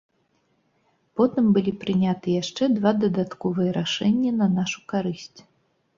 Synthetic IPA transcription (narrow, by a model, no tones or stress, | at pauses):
pɔt̪ɨmbɨlʲipɾɨnʲat̪ɨjaʂt͡ʂɛd̪vad̪ɐd̪at̪kɔvɨjɛɾaʂɛnʲːɐnɐnaʂukaɾɨsʲt͡sʲ